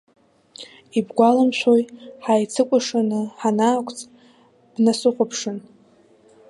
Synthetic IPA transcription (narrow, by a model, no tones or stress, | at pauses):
ibɡʷalamʃʷʰojħajt͡sʰɨkʷʼaʂanɨħanaːkʷʰʼt͡sʼ | b̥nasɨqʷʼʊpʰʂɨn